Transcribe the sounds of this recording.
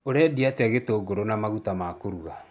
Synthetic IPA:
oɾeadiateaɣetoːɡoɾonamaɣutamakoɾuɣa

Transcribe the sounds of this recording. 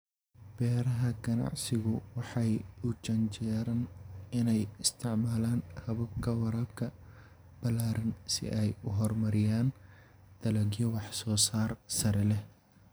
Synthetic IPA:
b̥ɛːɾɐɦɐɡɐnɑ̰ʕsɪɣʊwɑħɑjʊt͡ʃɐnt͡ʃɛːɾɐnɪnɛjɪst̪ʰɪʕmaːlaːnhɐβɐb̚kʰɐwɐɾɐb̚kʰɐ | b̥ɐlaːɾɪnsɪ̰ʔɛjʊɦɔrmɐɾɪjaːn | d̪̥ɐlɐɣjɔwɑħsɔːsaːrsɐɾɛlɛ

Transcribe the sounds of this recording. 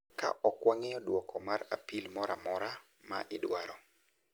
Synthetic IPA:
ka̰ʔɔkwaŋɛjɔdwɔkʰɔmaɾapilmɔɾamɔɾa | ma̰ʔɪdwaɾɔ

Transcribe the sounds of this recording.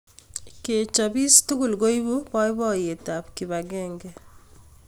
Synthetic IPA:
ket͡ʃɔbistuɡulɡoibupɔjbɔjetapkiβaɡɛːŋɡɛ

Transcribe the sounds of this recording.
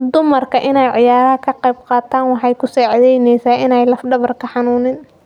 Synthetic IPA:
d̪ʊmɐrkʰɐʔɪnɛjʕɪ̰jaːɾɐɦɐkʰɐqɛjbqɑːt̪ʰaːnwɑħɑjkʰʊsɔːʕɑðɛjnɛjsaːʔɪnɛjlɐfɖɐβɐrkʰɐħɑnuːnɪn

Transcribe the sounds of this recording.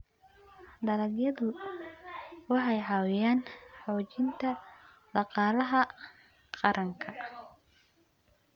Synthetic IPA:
d̪ɐlɐɡjɐðʊ | wɑħɑjħɑwjaːnħɔːt͡ʃɪnt̪ʰɐ | d̪̥ɑqɑːlɐɦɐ | qɑɾʔɐŋkʰɐ

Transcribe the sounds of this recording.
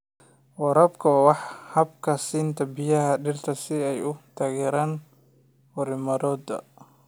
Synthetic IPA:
wɐɾɐbkʰɐwaːwɑħhɐb̚kʰɐsiːnt̪ʰɐbɪjɐɦɐɖɪrt̪ʰɐsɪɛjʊt̪ʰaːɣɛːɾaːn | fʊɾɪmɐɾɔːd̪ɐ̰

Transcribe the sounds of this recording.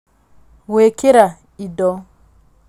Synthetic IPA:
wekiɾa | idɔ

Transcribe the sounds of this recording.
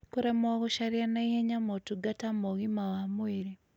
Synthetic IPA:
kuɾemwaɣuʃaɾianaiheɲamotuɡatamoɣimawamwiɾi

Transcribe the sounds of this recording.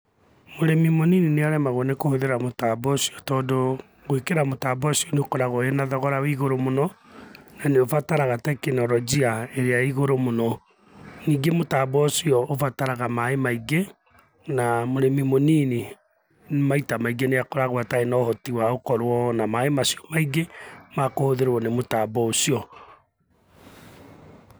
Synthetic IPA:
moɾemimoninineaɾɛmaɣwɔnekohoðeɾamotabɔsiɔtɔːdo | ɣoekeɾamotaːbɔsiɔneokoɾaɣɔenaðɔɣɔɾawiɣoɾomonɔnaneofataɾaɣatɛkenɔɾɔd͡ʑiaeɾeaiɣoɾomonɔ | niːɡemotaːbɔsiɔofataɾaɣamaemaiɡe | namoɾemimoniːne | nemaitamaiɡeneakoɾaɣwataenɔhɔtiwaokɔɾwɔnamaemasijɔ̥maiɡemakohoðeɾwɔnemotaːbɔosiɔ

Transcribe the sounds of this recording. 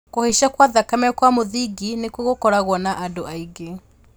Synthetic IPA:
koheʃakwaðakamɛkwamoðiɡinekwoɣokɔɾaɣwɔnaʔadoaiɡe

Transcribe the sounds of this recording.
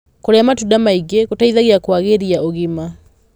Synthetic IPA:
koɾɛamatudamaiɡeɣotaiðaɣeakwaɣeɾiaoɣima

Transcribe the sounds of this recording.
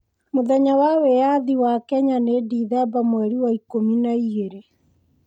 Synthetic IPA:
moðɛɲawawɛjaðiwakɛɲanediːðɛbamwɛɾiwaikominaiɣeɾe

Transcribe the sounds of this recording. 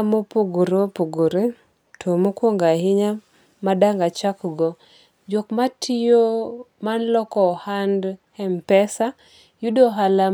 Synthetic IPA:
mopuɡuɾopuɡuɾe | tʰomokwoŋɡaɦɪɲa | madaŋɡat͡ʃakɡɔ | d͡ʒokmatʰijomanlɔkɔhand | ɛmpɛsa | judoɦala

